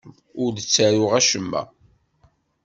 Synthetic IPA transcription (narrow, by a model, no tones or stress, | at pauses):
ʊɾðət͡sːæɾʊʁæʃəmːæ̰